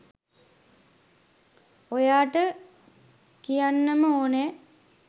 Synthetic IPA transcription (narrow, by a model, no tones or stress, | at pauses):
ojaːʈə | kijanːəməoːne